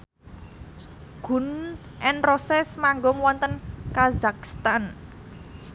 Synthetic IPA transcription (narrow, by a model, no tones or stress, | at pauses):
ɡ̥ṳn | ʔɛnrosɛsmaŋɡɔŋwɔnt̪ənkazakst̪an